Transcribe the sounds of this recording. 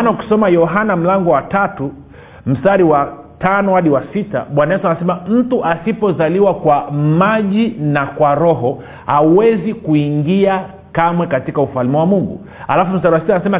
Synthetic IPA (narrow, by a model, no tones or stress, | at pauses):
nauki̥sɔmajɔɦanam̩laŋɡɔwatatu | m̩staɾiwa | tanɔhaɗiwasita̰ɓwanaɛsanasɛmam̩tuʔasipɔzaliwakwamaʄinakwaɾɔɦɔ | hauwɛzikuiŋɡia | kamwɛkatikaufalimiwamuŋɡṵ | alafum̩saɾiwasitanasɛma